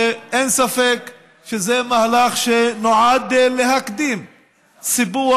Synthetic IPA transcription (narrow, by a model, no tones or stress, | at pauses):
ʔensafek | ʃezemahlaχʃenoʕad̪lehakd̪iːm | sibu